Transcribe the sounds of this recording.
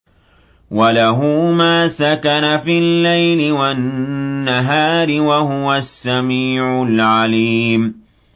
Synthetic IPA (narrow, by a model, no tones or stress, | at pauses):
walaɦʊmaːsakanafilːajlɪwanːaɦaːɾɪwaɦʊwasːamiːʕʊlʕaliːm